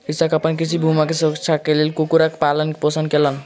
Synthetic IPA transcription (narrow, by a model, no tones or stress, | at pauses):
isakəpənkit͡ʃʰibʱumakesəɾəkt͡ʃʰakelelkokuɾake̥palənkepəsənkelən